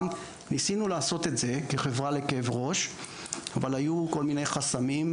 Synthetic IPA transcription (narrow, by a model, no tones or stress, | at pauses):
m | nisinulaːso̞t̪etze̞ke̞χe̞vʁale̞kevʁo̞ʃ | avalhajuko̞lmine̞jχasamim